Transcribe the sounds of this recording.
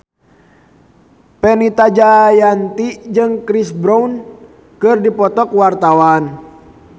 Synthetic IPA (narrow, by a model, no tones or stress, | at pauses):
pɛnit̪ad͡ʒajant̪id͡ʒɨŋkɾisbɾaun | kɨrdipɔt̪ɔkwart̪awan